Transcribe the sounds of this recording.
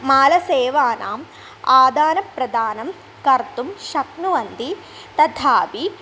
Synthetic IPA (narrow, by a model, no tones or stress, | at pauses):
maːlɐseːʋaːnʔaːm | aːd̪aːnɐpɾɐd̪aːnɐm | kɐɾt̪umʃɐpnuʋɐnd̪i | t̪ɐt̪ʰaːpi